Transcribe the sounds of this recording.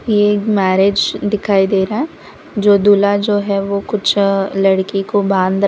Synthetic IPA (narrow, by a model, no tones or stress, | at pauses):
jemɛːɾeːd͡ʒd̪ɪkʰaːid̪eːɾaɦɛ | d͡ʒoːd̪ulad͡ʒoːɦɛʋokʊt͡ʃʰlɐɽkikobãːnd̪